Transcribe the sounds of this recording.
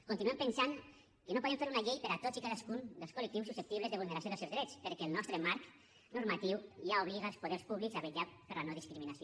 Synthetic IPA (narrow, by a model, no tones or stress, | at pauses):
kunt̪inuempensaŋ | kenopuðemɱfeɾunaʎejpeɾat̪ozikaðaskund̪əlskulek̚t̪iwsusep̚t̪iβlezeβulneɾasjoðəsewzðɾɛt͡speɾkeːlˠnɔst̪ɾəmaɾk | nuɾmat̪iwjauβ̞liɣaelˠspuðeɾspuβlikzaβeʎapəɾlanoðiskɾiminasio